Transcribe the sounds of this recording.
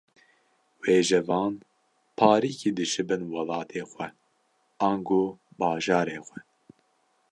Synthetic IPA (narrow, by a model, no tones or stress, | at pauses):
weːʒɛvɑːn | pʰɑːɾiːkiːd̪ɨʃɨbɨnwɑlɑːt̪ʰeːxʷɛ | ɑːŋɡoːbɑːʒɑːɾeːxʷɛ